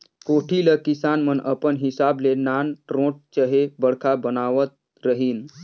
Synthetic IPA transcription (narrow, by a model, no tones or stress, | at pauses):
koʈʰiləkisanmənəpənɦɪsablenanɾõʈ̚t͡ʃəɦebəɽkʰabənaʋət̪̚ | ɾəɦin